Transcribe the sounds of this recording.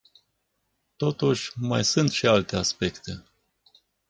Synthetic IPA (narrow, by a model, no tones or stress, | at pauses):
t̪o̞t̪uʃʲma̰jsunt̪ʃialt̪e̞aspe̞kt̪e̞